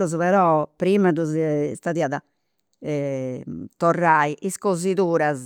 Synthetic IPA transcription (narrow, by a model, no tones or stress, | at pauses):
ɾuzβɛɾɔpɾimaðuzst̪aðiaða | ɛ | t̪ɔrːaiʔiskoziðuːɾaz